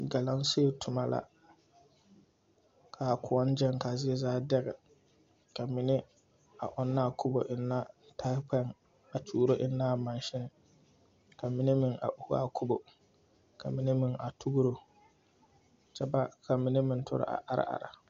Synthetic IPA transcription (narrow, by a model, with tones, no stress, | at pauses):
ɡa˨la˦ŋ˦se˦˨tʰʊ˨ma˦la̰˨ | kʰa˨kʊ˨ɔ˦n˦d͡ʒɛ˦ŋka˨zɪ˦ɛ˦zaː˦dɛ˦ɣɛ˨ | ka˨mɪ˨nɪ˦ | a̰˨ʔʊ˨nːa˦˨kʰʊ˦bo˨ʔɪ˨nːa˦tʰa˦pɛ˦ŋ | a˨t͡ʃuː˦ɾo˦ʔɪ˨nːa˦˨ma˨n˦ʃɪ˦n˨ | ka˨mɪ˨nɪ˦mɪ˨ŋa̰˨ʔu˨hu˦a̰˦˨kʰʊ˦bo˨ | ka˨mɪ˨nɪ˦mɪ˨ŋa˨tu˦ɡu˦ɾo˨ | t͡ʃɛ˦ba˦ka˨mɪ˨ni˦mɪ˨ntʰʊ̰˦ɾɪ̰˦ʔa̰˨ʔa˦ɾa̰˦ʔa̰˨ɾa̰˨